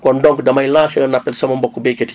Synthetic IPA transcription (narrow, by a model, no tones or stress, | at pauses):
kɔndɔŋkdɐmɐjlaːsjɔnapːɛlsɐmɐmbɔkːubeket